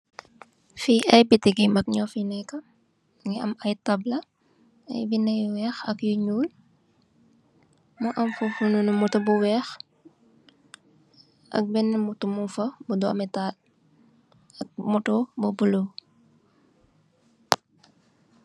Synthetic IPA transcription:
fiʔɐjbitiɡimɐk̚ɲɔfinɛkːɐ | ŋɛɐmɐjtɐblɐ | ɐ̰jbinɛjwɛːxɐkjuɲuːl | muʔɐmfufununumɔtɔbuwɛːx | ʔɐ̰k̚bɛnɛmutumufɐbudɔmɛtal | ɐk̚mutobɔbulo

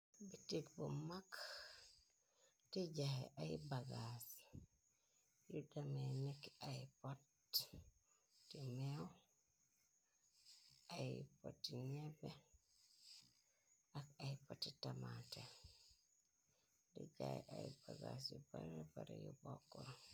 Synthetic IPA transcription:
bitikbumak | diɟaeʔajbaɡas | judamenikaipot | imew | ajipotːiɲebe | akajpotːitamate | dḭɟa̰jʔajbaɡa̰sjubaɾebaɾḛjubokːo

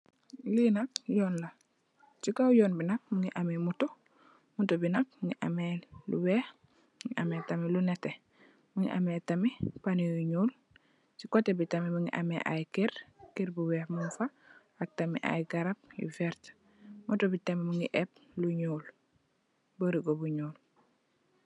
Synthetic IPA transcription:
linɐk̚jɔːnlɐ | t͡ʃikawjɔːnbinɐk̚muŋiʔamimuto | mutobinɐk̚muŋiʔɐ̰melṵwɛːh | ŋiʔɐmetɐmilunɛte | muŋḭʔa̰metɐmipanijuɲuːl | t͡ʃikotebitɐmimuŋḭʔa̰mḛʔa̰jkiɾkiɾbuwɛːhmunfa | ak̚tɐmḭʔa̰jɡaɾap̚jḭfɛɾt | mutobitɐmimuŋiʔɛp̚luɲuːl | buɾiɡobuɲuːl

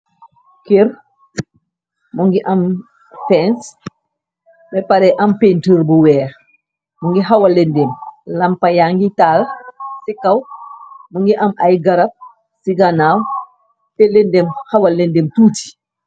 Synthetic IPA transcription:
kiɾ | muŋɡiʔɐm | fɛns | bɛpaɾɛʔɐmpentəɾbuwɛː | muŋɡiɦɐwɐlendɛmlɐmpɐjaŋɡitaːlsikɐwmuŋɡiʔɐmʔajɡɐɾɐp̚ | siɡanaːw | tɛlɛndɛmhɐwɐlːɛndemtuːti̥

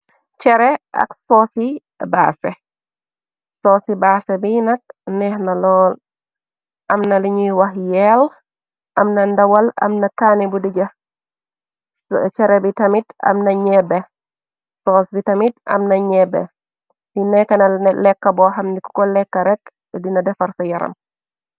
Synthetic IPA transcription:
t͡ʃɛɾɛɐ̰ksɔːsi | baːsɛ | sɔːsibaːsɛbinɐk̚nɛhnɐlɔːl | ʔɐmnɐliɲuwɐhjɛl | ʔɐmnɐndɐwɐlɐ̰mnɐkaːnibudiɟɐ | t͡ʃɛɾɛbitɐmitɐ̰mnɐɲɛbɛ | sɔːsbitɐmitʔɐ̰mnɐɲɛbɛ̰ | dinɛkːɐnɐlɛkːɐbɔɦɐmdiku̥kɔlɛkːɐɾɛk | dinɐdɛfɐɾsɐjɐɾɐ̰m

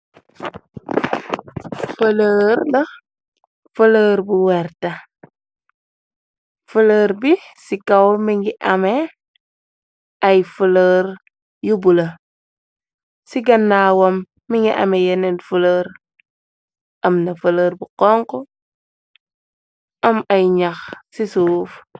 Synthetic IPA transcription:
fələːɾnɐ | fələːɾbuwɛɾta | fələːɾbisikawmiŋɡiʔame | ajfələɾ | jubulɐ | siɡɐnːawomː | iŋɡiʔa̰mejenenfuləɾ | ɐmnɐfələːɾbuqoŋko | ɐmɐjɲaxsisuːf

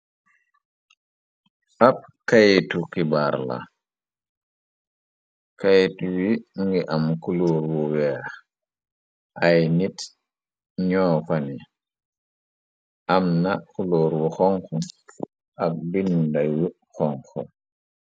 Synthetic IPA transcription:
ʔap̚kajetukibaːɾla̰ | kajetuwimuŋɡiʔamkuloːɾwɔwɛːx | ʔajnit | ɲɔːfani | ʔamnakuloːɾwɔxɔŋxɔ | ʔak̚bindajwi | xɔŋxɔ

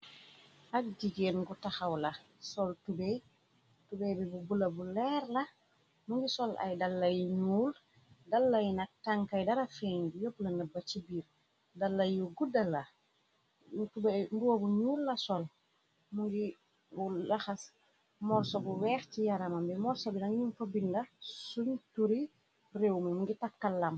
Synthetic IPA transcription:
ʔak̚diɡeːnɡutaxawlɐ | sɔltubɛj | tubɛjbibubulɐbulɛɾla | muŋɡisɔlʔa̰jdalːajɲuːl | dalːɐjnak̚taŋkajdaɾafeɲbujɔplɐnɐbɐt͡ʃibiːɾ | dɐlːɐjuɡudɐlːɐ | tubɐmbuwɐbuɲuːlːɐsɔl | muŋɡi | ulɐxɐs | mɔɾsɔbuwɛːxcijaɾɐmɐmbimɔɾsɔbinɐŋɲumfɐbindɐsuntuɾi | rewmimuŋɡitɐk̚kːɐlːɐm

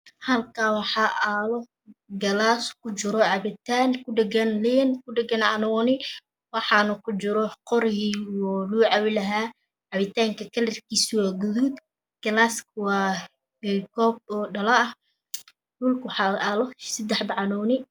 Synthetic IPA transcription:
hɐlkʰaːwɑħɑːʔaːlɔ | ɡɐlaːskʰʊt͡ʃɪɾɔʕɑβɪt̪ʰaːnkʰʊɖɛɡɐnlɛːnkʰʊɖɛɡɐnʕɑnɔnɪ | wɑħɑnʊkʰʊt͡ʃɪɾɔqɔɾhiɔːluːʕɑwɪlɐɦaː | ʕɑβɪt̪ʰaːŋkʰɐkʰɐlɪrkʰiːswaːɡʊðud̪ | ɡ̥ɐlaːskwɑː | kʰɔːb̚ɔːɖɐlɐɐh | dʊlkwɑħɑʔaːlɔsɪd̪ɛħbɑʕɑnɔːnɪ

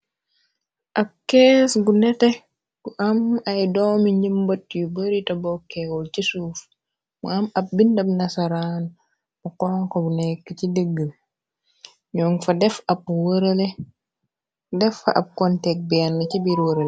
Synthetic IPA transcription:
ʔɐb̚kɛːsɡunɛtɛ | ɡuʔɐmɐjdɔːmiɲimbɐtːjubəɾitɐbɔkːɛwɔlt͡ʃisuf | mṵɐmɐp̚bindɐbnɐsaɾaːn | mukɔːŋkɔbunɛkːəcidəɡːəl | ɲɔŋfɐdɛfɐp̚wəɾəlɛ | dɛfːɐ̰ʔɐ̰p̚kɔntɛk̚bɛanːɐcibiɾwəɾəl

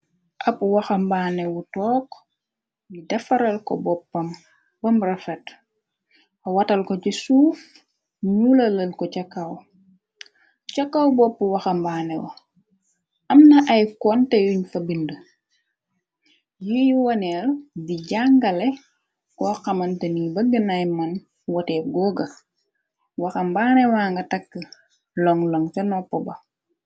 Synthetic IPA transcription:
ʔɐpwɐxɐmbaːnɛwutɔːk | jidɐfɐɾɐlkɔ̰bɔpːɐm | bɐmrɐfɛt | ɐwɐtɐlkɔcisuːf | ɲulɐləlkɔcɐkːaw | cɐkːawbɔpːuwɐxɐmbaːnɛwɐ̰ | ʔɐmnɐʔɐjkɔntɛjuɲfɐbində | jijiwɐnɛldiɟaŋɡɐlɛ | kɔxɐmɐntɐniːbɐɡənajmɐn | wɔtɛːɡɔːɡɐ | wɐxɐmbaːnɛwaŋɡɐtɐkːə | lɔŋlɔŋtɐnɔpːɔbɐ

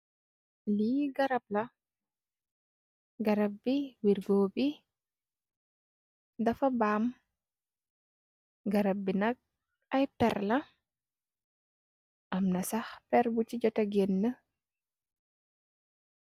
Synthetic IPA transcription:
liɡɐɾɐb̚lɐ | ɡɐɾɐb̚ːiwiɾɡoːbi | dɐfɐbaːm | ɡɐɾɐb̚ːinɐk̚ | ɐjpɛɾlɐ | ʔɐmnɐsɐxpɛɾbut͡ʃiɟɔtɐɡɛnːə

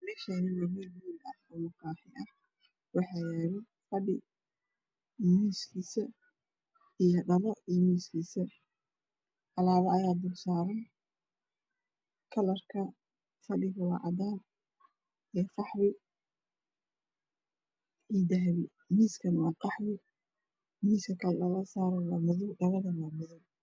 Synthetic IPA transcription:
mɛːʃanɪwɐmɛlbuːlɐhɔmɐqɑːħɪʔɐh | wɑħɑːjɛːβɛj | fɐɖɪ | miːskʰiːsɐ | ijɞɖɐlɔimiːskʰiːsɐ | ʔɑlaːβɐɐjaːd̪ʊrsaːɾɐj | kʰɐlɐrkʰɐ | fɐɖɪɣɐwɑːʕɑd̪aːn | ɛːfɑħwɪ | iːd̪ɐɦβɪ | miːskʰɐnwɑːqɑħwɪ | miːskʰɐkʰɐllɐlɐsaːɾɛlɐmʊðʊɖɐlɐðɐmɐmʊðʊw

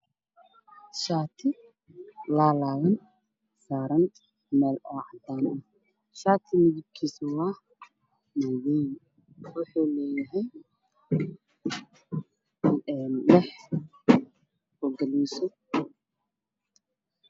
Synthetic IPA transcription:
ʃaːt̪ʰɪ | laːlaːwɐn | saːɾɐn | mɛːlɔːʕɑd̪aːnɔ | ʃaːt̪ʰɪmɪðɪb̚kʰiːsʊwaː | mawɛj | wʊħuːlɛːjɐɦɛj | nlɛħ | hɔɡɐliːsɔ

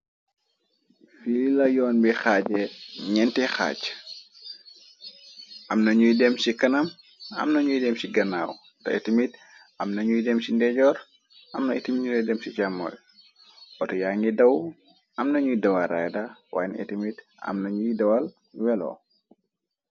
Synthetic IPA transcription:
fililɐjɔːnbixaɟɛɲɛntixa̰ːc | ʔɐmnɐɲujidɛmsikɐnɐm | ɐ̰mnɐɲujidɛmsiɡɐnaːw | tɐ̰ɛ̰timit | ɐmnɐɲujidɛmsindɛɟɔːɾ | ɐmnɐetimiɲuɾɛdɛmsicamɔ̰j | ʔɔtjaŋɡidɐw | ʔɐmnɐɲujidɐwɐɾa̰jdawa̰ːjnɛ̰timit | ɐ̰mnɐɲujidɐwɐl | wɛlɔ̰

